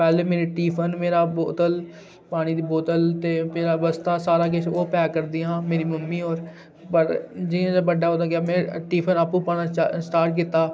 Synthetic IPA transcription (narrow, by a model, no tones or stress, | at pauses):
pɛːleːmeːɾiːʈiːpʰənmeːɾaːboːt̪əl | paːɽ̃iːd̪iːboːt̪əlt̪eːmeːɾaːbəst̪aːsaːɾaːk̬ɪt͡ʃʰoːpɛːkəɾd̪iːãːmeːɾiːməmːiːɦoːɾ | pəʈd͡ʒɪẽd͡ʒabəɖaːɦoːd̪aːkɪjaːmɛ̃ːʈiːpʰənaːpũːpaːnãːsʈaːɾʈ̚kɪt̪aː